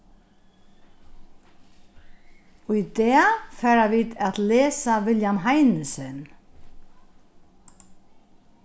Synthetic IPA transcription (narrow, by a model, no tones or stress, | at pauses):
ujt̪ɛafɛːɾavit̪aðlɛːsavɪljamɦajnɪsɪn